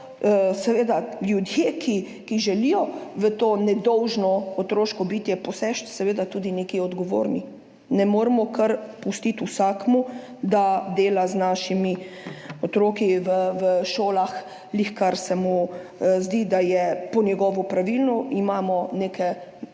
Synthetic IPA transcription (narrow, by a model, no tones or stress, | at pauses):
sɛʋeːd̪aljud̪jeːkʰi | kiʒɛlijɔʋət̪oːnɛd̪ɔwʒnɔːt̪ɾoːʃkɔbit̪jɛpɔsɛʃt̪sɛʋeːd̪at̪uːd̪ineːkiɔd̪ɡoʋo̰ːɾni | nɛmoːɾmɔkəɾpust̪it̪usaːkmu | d̪ad̪eːlaznaːʃimi | ot̪ɾoːkiʋəʋəʃoːlax | lixkaɾsɛmuzd̪id̪ajɛpɔnjɛɡɔːʋɔpɾaʋilnɔʔimaːmɔnekʰɛ